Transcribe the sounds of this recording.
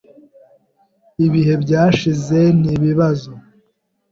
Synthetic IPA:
iβiɦe̞bɟaːʃize̞niβiβazo

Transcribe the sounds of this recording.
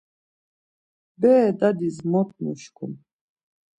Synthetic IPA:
bɛːd̪ad̪ismɔt̪̚ʰnuʃkʰṵn

